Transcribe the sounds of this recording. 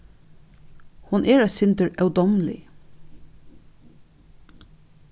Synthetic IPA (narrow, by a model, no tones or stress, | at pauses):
hʊnʔeːɹæsɪnd̪əɹʔœʉd̪ɔmlɪ̰